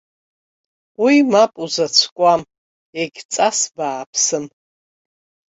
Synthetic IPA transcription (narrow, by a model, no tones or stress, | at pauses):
wimapʼuzɐt͡sʷʰkʷʼam | eɡʲt͡sʼasbaːpʰsɨm